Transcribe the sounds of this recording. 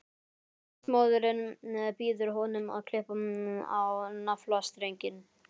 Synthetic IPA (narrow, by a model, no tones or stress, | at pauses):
smoːwðʏɾɪnɛpiːðʏɾ̥ɦɔnʏma̰ðkʰlɪhpamɪnʏma̰wnaflast̪ɾejɲcɪn